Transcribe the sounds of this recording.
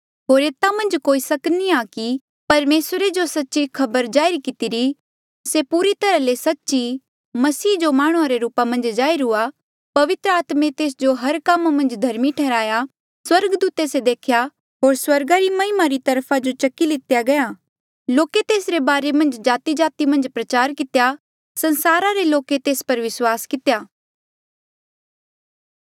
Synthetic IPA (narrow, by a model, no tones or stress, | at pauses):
ɦoːɾeːt̪amɐ̃nd͡ʒkoːisɐkniaki | pɐɾmeːsɾed͡ʒosɐtːʃikʰɐbəɾd͡ʒaːɪɾikɪt̪iɾi | sepuːɾit̪ɐɾalesɐtːʃi | mɐsiːd͡ʒomaːɽ̃uãɾeɾuːpamɐ̃nd͡ʒd͡ʒaːiɾʊa | pɐʋɪt̪ɾəaːt̪mẽt̪eːs̬d͡ʒoɦɐɾkɐmamɐ̃nd͡ʒd̪ʱɐɾmiʈʰɛːɾaːja | swɐɾɡd̪uːt̪esed̪eːkʰja | ɦoːɾswɐɾɡaɾimɐɦɪmaɾit̪ɐɾpʰad͡ʒot͡ʃɐkːilɪt̪jaɡɐjaː | loːket̪eːsɾebaːɾemɐ̃nd͡ʒd͡ʒaːt̪id͡ʒaːt̪imɐ̃nd͡ʒpɾɐt͡ʃaːɾkɪt̪ja | sɐ̃nsaːɾaɾeloːket̪eːspɐɾʋɪswaːskɪt̪jaː